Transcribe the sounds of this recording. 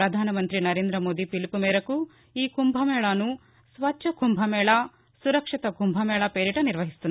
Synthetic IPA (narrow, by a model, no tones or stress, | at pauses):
ɾɐd̪ʱaːnɐmɐnt̪ɾinɐɾeːnd̪ɾɐmoːd̪ipilpumeːɾɐkːu | iːkumbʱɐmɛːɭaːnu | sʋɐtːʃɐɡʱumbʱɐmɛːɭɐ | suɾɐkʂit̪ɐɡʱumbʱɐmɛːɭɐpeːɾiʈɐniɾʋɐɦist̪un